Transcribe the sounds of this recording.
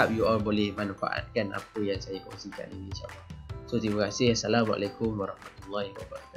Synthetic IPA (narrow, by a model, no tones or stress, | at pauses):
ap̚juɔlbolɛhmanfa̰ʔa̰t̪̚kana̰pəjaŋsajako̰ŋsika̰nḭninʃa̰lːɑsot̪ibəkasɪhasalamʔa̰lakʊmwaɾɑhmat̪ulːahwabaɾaka